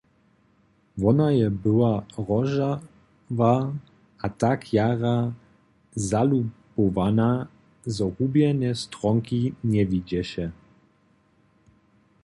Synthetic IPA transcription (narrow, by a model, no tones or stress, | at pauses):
vɔnajɛbɨwaʁɔʒa | va | at̪akjaɾa | zalupɔvana | zɔhubjɛnɛst̪ɾɔŋkiɲɛvid͡ʑɛɕɛ